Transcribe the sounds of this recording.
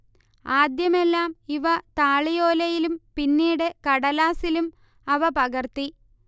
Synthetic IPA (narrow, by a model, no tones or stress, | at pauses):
aːd̪jɐmelːaːmiʋɐt̪aːɭijoːlɐjilumpinːiːɽe̞kɐɽɐlaːsilum | ɐʋɐpɐɣɐrt̪i